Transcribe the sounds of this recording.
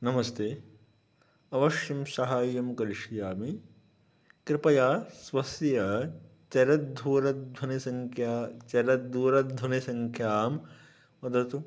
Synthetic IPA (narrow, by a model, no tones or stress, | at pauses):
nɐmɐst̪eː | ɐʋɐʃjɐmsɐɦaːjɐmkɐɾiʂijaːmi | kɾɪpɐjaːsʋɐsjɐ | t͡ʃɐɾɐt̪̚d̪ʱuːɾɐt̪̚d̪ʱwɐnisɐŋkʰjaːt͡ʃɐɾɐt̪̚d̪ʱuːɾɐt̪d̪ʱɐnisɐŋkʰjaːm | ʋɐd̪ɐt̪u